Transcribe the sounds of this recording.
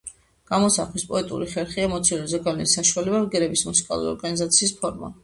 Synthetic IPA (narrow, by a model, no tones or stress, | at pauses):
ɡ̥amɔsaχwispʼɔɛt̪ʼṵɾiχɛɾχiɛmɔt̪sʰilɛzɛɡalɛnisaʃualɛbaɾɡɛɾɛbismusi̥kʼa̰lˠṵɾiɔ̰ɾɡanizat̪sʰiːspʰɔɾma̰